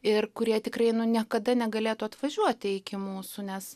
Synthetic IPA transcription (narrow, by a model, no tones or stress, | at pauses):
ɪrkʊɾʲiɛt̪ʲɪkrɐɪnʊnʲiɛkɐd̪ɐnʲɛɡɐlʲeːt̪uɐt̪ʋɐʒʲuɔt̪ʲɪɪkʲɪmuːsunʲɛs